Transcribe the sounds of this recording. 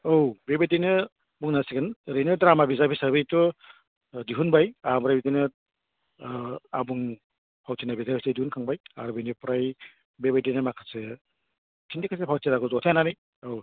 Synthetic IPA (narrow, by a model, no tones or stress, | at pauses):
owbebedinɯ | buŋnasiɡɯnɾejnɯdɾamabizabisaɾbijtu | diɦunbajamɾajbidinɯ | abuŋ | pʰawtʰinabizabisadihunkʰaŋbaja̰ɾbinipɾaj | bebajdinɯmakʰase | tʰindikʰasepʰawseɾaɡɔzɔtʰajnanij | ow